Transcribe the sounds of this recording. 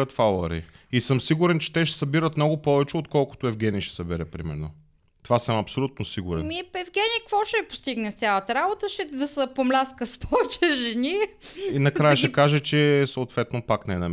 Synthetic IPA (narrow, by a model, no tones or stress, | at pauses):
ət̪falˠəɾḭ | isɤmsiɡuɾɛnt͡ʃɛ̥t̪ɛʃɛ̥sɐbiɾət̪mnɔɡʊpɔvɛt͡ʃɛot̪kɔlˠkʊ̥t̪ʊɛvɡɛniʃɛ̥sɐbɛɾɛpɾimɛ̰ɾno | t̪ovasəmɐpsolʲut̪̚nosiɡʊɾɛnmipɛvɡʲɛnikvɔʃɛpo̥st̪iɡnɛst̪sʲalˠət̪əɾabot̪əʃɛd̪ɐsəpomlʲaskəspɔvt͡ʃɛʒɛniinɐkɾajəʃɛkaʒɛt͡ʃɛsɐot̪vɛt̪nopaknɛnɐm